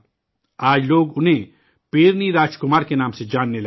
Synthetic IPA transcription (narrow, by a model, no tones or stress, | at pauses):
aːd͡ʒloːɡʊnɦẽ | peːɾniɾaːd͡ʒkʊmaːɾkenaːmsed͡ʒaːnːelɐ